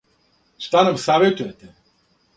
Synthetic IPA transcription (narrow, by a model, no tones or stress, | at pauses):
ʃt̪anɐmsaːvet̪ujɛt̪ɛ